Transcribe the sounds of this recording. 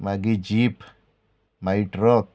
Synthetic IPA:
maɡid͡ʒip | maiʈɾɔk

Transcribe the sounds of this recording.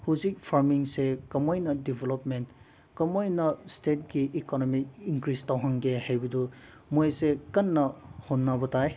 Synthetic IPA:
huzik̚pʰaɾmiŋsekɐmojnɐdibʱelopment | kɐmojnɐstet̚ɡiʔikonomik̚iŋkɾistawɦaŋɡehajbɐdu | mojsekɐnːɐhonːabɐtaj

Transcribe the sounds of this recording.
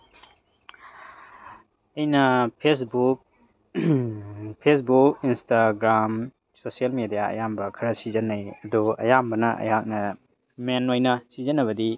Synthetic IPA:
ɐjnɐpʰesbuk̚ | pʰes̬buk̚instaɡɾam | sosielmedijaɐ̰jambɐkʰɐɾɐsizɐnːɐjɐduɐ̰jambɐnɐʔɐ̰jhak̚nɐ | menojnɐsizɐnːɐβɐdi

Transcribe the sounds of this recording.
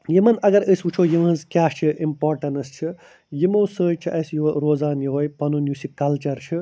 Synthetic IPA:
jimɐnɐɡɐɾəsut͡ʃʰoːjimɐnzkʲaːst͡ʃʰiʔimpoːɾʈɐnɐst͡ʃʰi | jimowsəːjt͡ʃʰiʔɐsjuɾoːzaːnjiɦojpɐnunjusikɐlt͡ʃɐɾt͡ʃʰi

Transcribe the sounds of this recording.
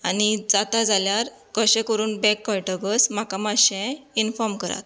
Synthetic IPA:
anid͡zat̪ad͡zaljaɾ | kəɕɛ̃kəɾuːnbɛkːɔjʈɔbəsmakamaɕɛ̃infɔɾmkəɾa̰t̪

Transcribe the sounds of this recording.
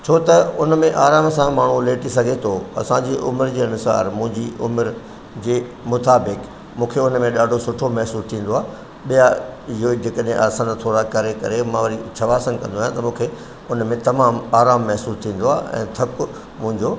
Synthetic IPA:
t͡ɕʰoːt̪ɐʊnmẽʔaːɾaːmsãmaːɳ̤uleːʈisɐɡʱet̪ʰoɐ̰sãɲd͡ʑiːʔʊməɾd͡ʑeːɐnʊsa̰ːɾmʊ̃ɦɪ̃ɲd͡ʑiʔʊməɾ | d͡ʑeː | mʊt̪aːbɪk | mũːkʰeʊnmẽɗaːɖʱosʊʈʰomɛɦsuːst̪ʰĩːn̆d̪oaː | ɓijaɪɦod͡ʑeːkəɗɦẽʔaːsant̪ʰoːɾakɐɾekɐɾemãʋɐɾit͡ɕʰɐʋaːsənkɐ̃nd̪oaːjãt̪ɐmũːkʰe | ʊnmẽt̪ɐmaːmaːɾaːmːɛɦsuːst̪ʰĩːn̆d̪oaːʔɛ̰̃ːt̪ʰɐkʊ | mʊ̃ɦɪ̃ɲd͡ʑoː

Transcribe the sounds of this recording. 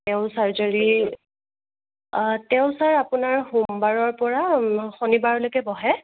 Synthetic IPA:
tɛʊ̃saɹzaɹi | tɛʊ̃saɹapunaɹhumbaɹɔɹpɔɹaxonibaɹlojkɛbɔɦɛ

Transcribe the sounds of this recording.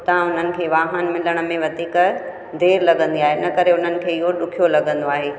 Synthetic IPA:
t̪ãʊn̤ənɪ̆kʰeːʋaːɦənmɪləɽ̃ʊ̆mẽʋɐt̪iːkə | d̪eːɾlɐɠə̃nd̪iaːɦenɐkɐɾeʊn̤ənɪ̆kʰeːɪɦoɗʊkʰijolɐɠə̃nd̪oaːɦeː

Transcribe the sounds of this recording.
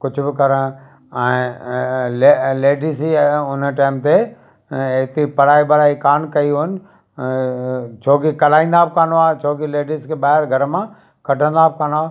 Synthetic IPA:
kʊd͡ʑʱbɪkɐɾə | ɛ̃ː | leleːɖisiʊnəʈaːɪmt̪e | eːt̪ipɐɽ̤aːibɐɽaːikaːnkɐiɦʊnɪ | t͡ʃʰoːkikɐlaːĩːnd̪aːbɪkaːnoaːt͡ʃʰoːkileːɖiskʰeɓaːɦɪɾɡʱɐɾmã | kɐʈʰə̃nd̪aːb̚kaːnoaː

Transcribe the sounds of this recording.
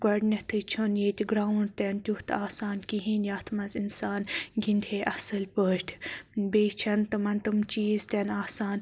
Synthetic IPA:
ɡɐɖnɐt̪ʰɨt͡ʃʰonjeːt̪ʲɡɾaːwnɖt̪ɐnt̪ʲuht̪aːsaːnkiɦĩːnjaːt̪ʰmɐzinsaːnɡind̪ʲʰʱeːʔɐsɨlpəːʈʲʰbeːt͡ʃʰɐnt̪ɐmɐnt̪ɨmt͡ʃiːzt̪ɐnaːsaːn

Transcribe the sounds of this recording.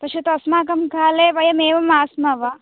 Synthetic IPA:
p̪ɐʃut̪ɐsmaːkɐmkaːleːʋɐjɐmeːʋɐmaːsmɐʋɐ

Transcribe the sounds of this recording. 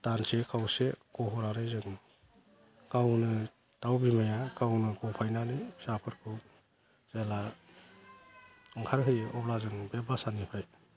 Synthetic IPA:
tansekʰawsekɔɦɔɾaɾɯjzɯŋ | kawnɯ | tawbimajakawnɯɡɔpʰajnanisapʰɯɾkʰɯw | z̥ela | ɯŋkʰaɾɦʰɯjʔɔblazɯŋbebasanipʰɾaj

